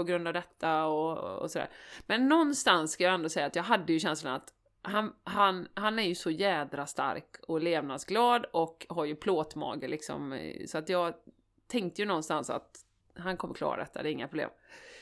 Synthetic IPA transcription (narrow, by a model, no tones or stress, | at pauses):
pɔɡɾɵnd̪avd̪ɛt̪ʰːaɔɔ̰sɔd̪æ̰ːɾmɛnːɔnːst̪anskʰajɑːɛnd̪oːsɛjːat̪jɑːɡɦad̪ːəjɵɕɛnslanat̪ | hanɦanɦanæɾjɵsɔjɛːd̪ɾast̪a̰ɾkʰɔleːvnad̪sɡlɑːd̪ɔkɦaɾjɵpʰloːt̪mɑ̰ːɡəɭɪksɔ̰msɔat̪jɑːɡ | t̪ʰɛŋk̚t̪əjɵnɔnst̪ansa̰t̪ | ɦankʰɔmːəɾkʰlɑ̰ːɾa̰d̪ɛ̰t̪ːa̰d̪ɛːɾɪŋːapʰɾʊblḛːm